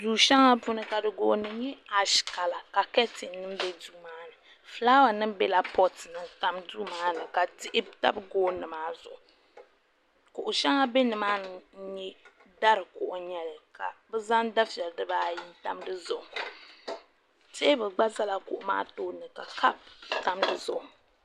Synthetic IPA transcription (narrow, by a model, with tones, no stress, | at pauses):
duː˨ʃa˦ŋa˦pʊ˦nɨ˦ka˨dɨ˨ɡoː˨˦nɨ˨˦ɲɛ˦a˨ʃka˨la˨ka˨kɛ˦tɪ˨nːɨ˦m˦bɛ˦duː˦maː˦nɨ˨ | fɨ˦la˦wa˨nɨ˦mbɛ˦la˨pɔ˦tɨ˨nɨ˨ta˦mdu˦maː˦nɨ˨ka˨tɪ˦ʔɪ˦ta̰˦bɡoː˦nɨ˨maː˦zʊ˨ʔʊ˨ | kʊ˨ʔʊ˨ʃɛ˦ŋa˦be˦nɨ˨maː˦nɨ˨˦ɲɛ˦ | da˦ɾɨ˨kʊ˦ʔʊ˨ɲɛ˦lɨ˨ka˨bɨ˦za˦nda˦fi˨ɛ˨ldɨ˦baː˦ji˦ta˦mdɨ˦zʊ˦ʔʊ˨ | te˦bɨ˨ɡ͡ba˦za˦la˨kʊ˨ʔʊ˨ma̰ː˦toː˦nɨ˨ka˨ka˦pta˦mdɨ˦zʊ˦˨ʔ